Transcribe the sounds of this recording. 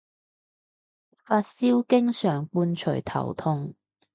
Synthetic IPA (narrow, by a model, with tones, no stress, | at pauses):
faː˧t̚siː˥wkɪ˥ŋsœː˨˩ŋpuː˧nt͡ʃʰɵ̰˨˩jt̪ʰɐ̰˨˩wt̪ʰʊ˧ŋ